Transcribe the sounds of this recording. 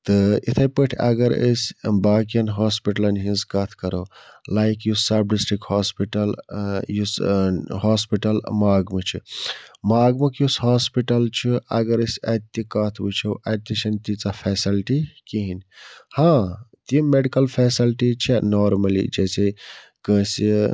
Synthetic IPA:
t̪ɨit̪ʰɐpəʈʰɐ̰ɡəɾə̰sbakijɐnɦaːspiʈɐlɐnɦĩzkat̪ʰkɐɾolaːjkjusab̚ɖisʈɾikhaspiʈɐljushaːspiʈɐlmaːɡmət͡ʃʰḭmaːɡmekjusɦaspiʈɐlt͡ʃʰiɐɡəɾəsɐt̪ːikat̪ʰbut͡ʃʰoʔɐt̪ːisɐnt̪it͡sapʰɛsilʈikiɦinhãt̪imeɖikɐlpʰɛsilʈit͡ʃʰɛnɔːɾmɐlḭd͡ʒɛse | kə̃si

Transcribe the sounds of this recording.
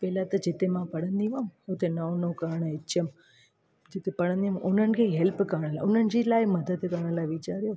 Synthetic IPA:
pɛːlat̪ɐd͡ʒet̪emãpɐɽənd̪iʋəmot̪ʰenɐwnokaːɾɳəɪːt͡ʃʰəm | d͡ʒet̪epɐɽə̃nd̪imʊnən̆kʰeɦɛlpkaɳ̃əlaʊnənd͡ʒilaːjmɐd̪əd̪kəɳ̃əlaʋit͡ʃaɾjo

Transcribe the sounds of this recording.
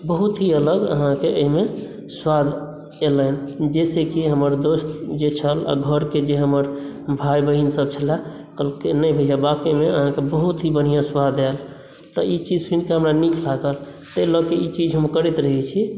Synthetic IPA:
bəɦut̪ɦiələɡə̰ɦãkeəime | swad̪ | elənd͡ʒesekiɦəməɾd̪ost̪d͡ʒet͡ʃʰəla̰ɡʱəɾked͡ʒeɦəməɾ | bʱajbəɦinsəb̚t͡ʃʰəla | kəlkenəbʱəd͡ʒabakimeəɦãkebəɦut̪ɦibənijãswad̪el | t̪əit͡ʃid͡ʒsinkeɦəmɾanikʰlaɡəl | t̪əlɔkeit͡ʃid͡ʒɦəmkəɾit̪ɾəɦɛt͡ʃʰi

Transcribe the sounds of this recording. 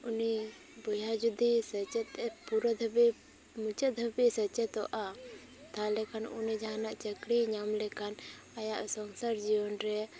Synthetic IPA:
uni | bujad͡ʒud̪isət͡ʃɛt̪ɛpuɾɔd̪ʱəbi | mut͡ʃəd̪ʱəbisət͡ʃɛt̪ɔʔa | t̪alɛkanunid͡ʒaɦanaʔt͡ʃəkɽiɲamlɛkan | ajaʔsɔŋsaɾd͡ʒiwɔnɾɛ

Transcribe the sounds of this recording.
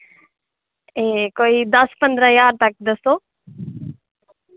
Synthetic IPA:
ẽkoːiːd̪ɐspə̃nd̪ɾəjaːɾt̪ɐk̚d̪ɐsoː

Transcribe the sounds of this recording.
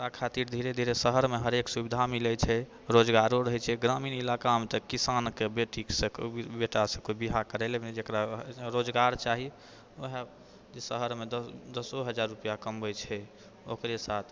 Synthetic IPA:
akʰat̪iɾd̪ʱiɾed̪ʱiɾesəɦəɾmeɦəɾeksubid̪ʱamilɛt͡ʃʰɛ | ɾod͡ʒɡaɾoɾəɦɛt͡ʃʰɛɡɾaminilakamet̪əkːisankebeʈiksə̃kbeʈasə̃kobiɦakəɾɛled͡ʒekɾaɾod͡ʒɡaɾt͡ʃaɦi | oɦe | d͡ʒesəɦəɾmed̪d̪əsoɦəd͡ʒaɾːupijakəmbət͡ʃʰɛ | o̰kɾesat̪ʰ

